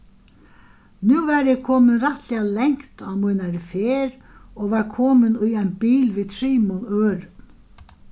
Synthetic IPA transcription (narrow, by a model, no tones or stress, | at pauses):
nuːvɛɾjɛkʰɔːmɪnraht̪lɛalɛŋ̥kt̪awmujnaɾɪfeːɾ | ɔɣvaɾkʰɔːmɪnujajnbiːlviːðt̪ʰɾiːmunøːɾʏn